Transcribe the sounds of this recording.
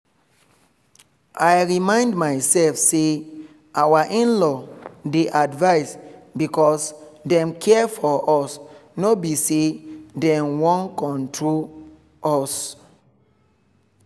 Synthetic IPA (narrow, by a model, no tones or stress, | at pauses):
ajɹimãɪ̃ndmaɪsɛlfse | awaʔĩnlɔdeʔadvaɪsbikɔsdɛ̃mkʰɛfɔʔɔsnobisedɛ̃mwɔ̃nkɔ̃ntʰɹol | ɔs